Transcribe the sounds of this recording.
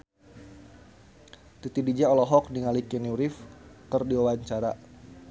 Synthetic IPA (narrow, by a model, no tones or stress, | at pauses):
t̪it̪idid͡ʒaɔlɔɦɔk̚niŋalikɛnjuɾifkərdiwawaɲt͡ʃaɾa